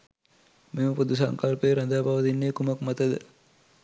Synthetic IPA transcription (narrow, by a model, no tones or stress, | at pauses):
meməpud̪us̬ɐŋkalpeːɾɐnd̪aːbaʋɐd̪inːeːkumɐkmɐt̪ɐd̪ə